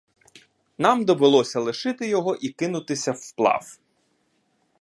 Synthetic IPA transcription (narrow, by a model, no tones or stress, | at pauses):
nɑmd̪ɔʋɪlˠɔsʲɐlˠɪʃɪt̪ɪjɔɦɔʔikɪnʊt̪ɪsʲɐwplˠɑ̰w